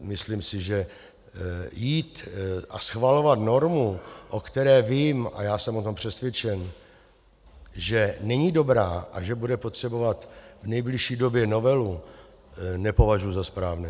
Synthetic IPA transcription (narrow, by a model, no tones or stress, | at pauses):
mɪslimsɪʒɛ | jiːt̪ʔa̰sxvalo̞vat̪no̞ɾmuʔo̞kt̪ɛɾɛːviːma̰jaːsɛmot̪o̞mpr̝̥ɛsvjɛt͡ʃɛn | ʒɛnɛɲido̞bɾaːʔa̰ʒɛbudɛpot̪r̝̥ɛbo̞vat̪vnɛjblɪʃiːdo̞bjɛno̞vɛlu | nɛpo̞vaʒujuzaspɾaːvnɛː